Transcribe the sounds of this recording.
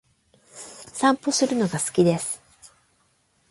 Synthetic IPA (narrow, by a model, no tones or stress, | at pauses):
sãmpo̞sɨɾɯ̟no̞ɡasɨ̥kʲid̪e̞sɨ̥